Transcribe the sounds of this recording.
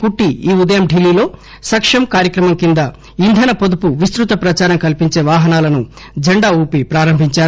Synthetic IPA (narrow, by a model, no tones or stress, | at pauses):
kuʈːiiːud̪ɐjɐmɖilːiːlo̞ː | sɐkʂɐmkaːɾjɐkɾɐmɐmkind̪ɐ | ind̪ʱɐnɐpod̪upuʋist̪ɾut̪ɐpɾɐt͡ʃaːɾɐmkɐlipiɲt͡ʃe̞ːʋaːɦɐnaːlɐnu | d͡ʒɐɳɖaːuːpipɾaːɾɐmbʱiɲt͡ʃaːɾ